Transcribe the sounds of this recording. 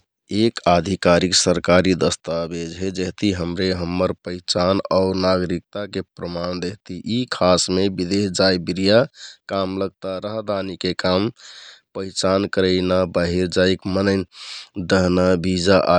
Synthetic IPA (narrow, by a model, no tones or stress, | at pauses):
ekad̪ʱikaɾiksəɾkaɾid̪əst̪abed͡ʒɦed͡ʒeɦt̪iɦəmɾeɦəmːəɾpəit͡ʃanaʊɾnaɡɾik̚t̪akepɾəmand̪eɦt̪iʔikʰasmebid̪eɦd͡ʒajbiɾijakamləɡ̚t̪aɾəɦd̪ʱanikekampəɪt͡ʃankəɾəɪnabaɦiɾd͡ʒaikmənəɪnd̪əɦnabʱid͡ʒaʔa